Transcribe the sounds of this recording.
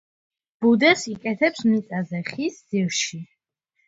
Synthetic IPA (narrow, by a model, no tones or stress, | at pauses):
b̥ud̪ɛsikʼɛt̪ʰɛpsmnit̪sʼazɛχisd̪zilˠʃi